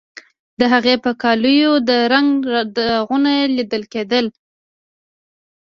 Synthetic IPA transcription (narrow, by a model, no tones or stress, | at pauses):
d̪əɦaɣepəkɑlujod̪əɾaŋɡd̪əɣʊnajelid̪əlked̪əl